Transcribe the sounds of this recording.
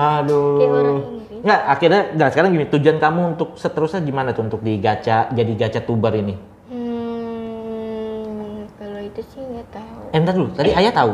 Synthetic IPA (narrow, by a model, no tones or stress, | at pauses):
ahdo | ŋɡaʔakirɲaŋɡasəkaɾaŋɡimit̪ud͡ʒuankamuːnt̪ʊk̚sət̪əɾʊsaɡimanat̪unt̪ʊk̚diɡat͡ʃad͡ʒadiɡat͡ʃat̪ubərini | kaloit̪usɪhŋat̪auɛmdat̪lut̪adiajat̪au